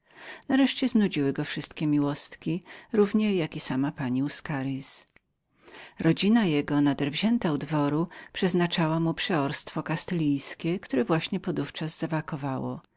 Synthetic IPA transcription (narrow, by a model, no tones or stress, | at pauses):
naɾɛʂt͡ɕɛznud͡ʑiwɘɡɔfʂɘst̪kʲɛmʲiwɔst̪kʲiɾuvɲɛjakʲisamapaɲiuskaɾʲis | ɾɔd͡ʑinajɛɡɔnad̪ɛɾvʑɛnt̪aud̪vɔɾupʂɛznat͡ʂawamupʂɛɔɾst̪fɔkast̪ɛlʲijskʲɛkt̪uɾɛvwaɕɲɛpɔd̪uft͡ʂaz̥ːavakɔvawɔ̰